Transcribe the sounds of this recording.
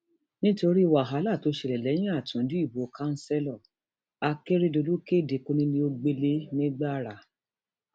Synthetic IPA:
nĩ˦to˧ɾi˦i˦˨wa˨ɦa˨˦la˦˨to˨˧˦ʃe˨ɾɛ˨lɛ˨˦j̃ĩ˦a˦˨tũ˨˦dĩ˦i˦˨bo˨˦ka˦n̩˦sɛ˦lɔ˦˨ | a˧ke˦ɾi˦do˧lu˦ke˦˨de˨ko˧nĩ˦nĩ˧o˧ɡ͡be˦le˦nĩ˦ɡ͡ba˦˨ɾa˨

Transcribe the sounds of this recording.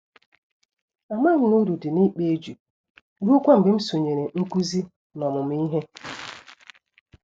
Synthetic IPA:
a˨ma˦n̩˦nu˦ɾu˨dɪ˨ni˦k͡pe˦d͡ʒu˨ | ɾu˦kʷa˦m̩˨bɪ˨˦m̩˦so˨ɲe˨ɾe˨ŋ̩˦kʷu˦zi˦ | nɔ˨mʊ˨m̩˦i˦ɦe˦

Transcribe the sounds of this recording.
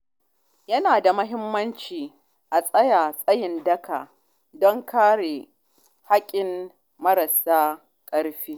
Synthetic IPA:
jɐ˦naː˨da˨mɐ˦ɦɪ˦mːɐ˦nt͡ʃiː˨ | ʔa˨sʼɐ˦jaː˨sʼɐ˦jɪ˨ndɐ˦ka̰ː˨ | dɔ˦ŋkaː˦ɽe˨ | ha˦kʲʼɪ˨m | mɐ˦ɾɐ˨saː˦ | kʼɐ˦ɽɸiː˦

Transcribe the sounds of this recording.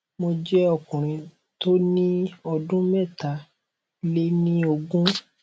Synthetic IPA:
mo˧d͡ʒɛ˦ɔ˦˨kũ˨ɾ̃ĩ˧ | to˦nĩ˦ɔ˧dũ˦mɛ̃˦˨ta˨˦ | le˦nĩ˦o˧ɡũ˦

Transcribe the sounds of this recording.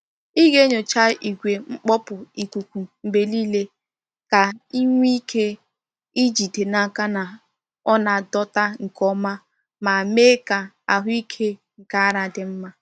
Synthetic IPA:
i˦ɣe˦ɲo˨t͡ʃa˦i˨ɡʷe˨ŋ͡m̩˦k͡pɔ˦pʊ˨i˨kʷu˨kʷu˨m̩˨be˨liː˦le˦ | ka˨i˦ŋʷ˦i˦kʰe˦ | i˦d͡ʒi˨de˨na˨ka˦na˨ | ɔ˦na˨dɔ˦ta˦ŋ̩˨kɔ˦ma˦ | ma˨meː˦ka˨ | a̰˨ɦi˦kʰe˦ | ŋ̩˨ka˦a˦ɾa˨dɪ˨m̩˦ma˦

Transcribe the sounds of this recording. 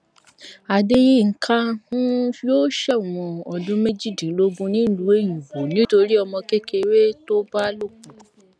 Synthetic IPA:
a˨de˦ji˦˨ŋ̩˨kʰã˦hũ˦fi˦o˦ʃɛ˦˨u˨wɔ̃˨ɔ˨dũ˦me˦d͡ʒi˦˨dĩ˨˦lo˦bũ˧nĩ˦lu˨˦e˦jũ˨bo˨nĩ˨˦to˧ɾi˦ɔ˧mɔ̃˧ke˦ke˧we˦to˦ba˦lo˦˨k̚ũ˨

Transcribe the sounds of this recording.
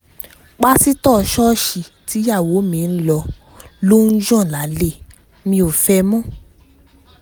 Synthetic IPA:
k͡pa˦si˦tɔ˦˨ʃɔ˦ʃi˨ | ti˨˦ja˦˨wo˨˦mĩ˧n̩˦lɔ˧ | lo˦n̩˦d͡ʒɔ̃˦˨la˨˦le˦˨ | mĩ˧o˨fɛ˧mɔ̃˦˨

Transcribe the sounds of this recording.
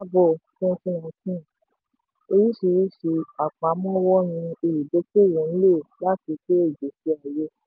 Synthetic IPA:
bɔ˦˨kũ˦˧fũ˦w̃ɔ̃˧tĩ˦˨ | o˧ɾi˦ʃi˧ɾi˦ʃi˧a˨k͡pã˨˦mɔ̃˦wɔ˦ɾ̃ĩ˧e˧˨ɾi˨do˨˦k͡pe˦˨wũ˨˦n̩˦lo˦˨la˦˨ti˧ke˦e˦˨d͡ʒe˨fi˧a˨je˦

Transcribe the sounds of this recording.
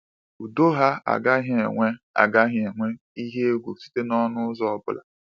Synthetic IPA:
u˨do˦ɦa˦a̰˨ɡa˦ɦɪ˨˦e˨ŋʷe˦a̰˨ɡa˦ɦɪ˨e˨ŋʷe˦ | i˦ɦe˦e˦ɡʷu˨si̥˦te˦nɔ˦nʊ˦zɔ˦˨bʊ̰˨la̰˨

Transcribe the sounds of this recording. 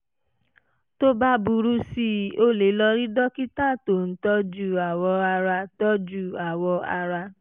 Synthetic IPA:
to˦ba˦bu˧ɾu˦si˦˨o˦le˨˦lɔ˧ɾi˦dɔ˦ki˦ta˦˨to˨n̩˨˦tɔ˦d͡ʒu˦˨a˨wɔ˧a˧ɾa˧tɔ˦d͡ʒu˦˨a˨wɔ˧a̰˧ɾa˧

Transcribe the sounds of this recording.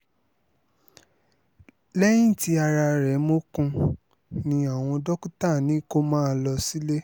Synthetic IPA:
lɛ˦jĩ˦˨ti˧˦a˧ɾa˧ɾɛ˨˦mo˦kũ˧ | nĩ˧a˨w̃ɔ̃˧dɔ˦ku˦ta˦˨nĩ˨˦ko˦mãː˦lɔ˧si˦le˦

